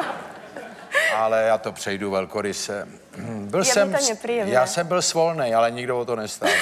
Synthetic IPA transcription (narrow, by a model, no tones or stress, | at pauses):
ʔalɛjaːt̪opr̥ɛjduvɛlkoɾɪsɛ | bɪlsɛmmɾijɛmjaːsɛmbɪlsvolnɛjʔalɛɲɪɡdovot̪onɛst̪a